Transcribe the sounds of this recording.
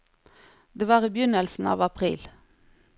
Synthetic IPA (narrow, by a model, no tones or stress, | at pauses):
d̪eːʋɑːʁiːbjʏnəlsn̩ɑ̰ːʋɑpʰʁḭːl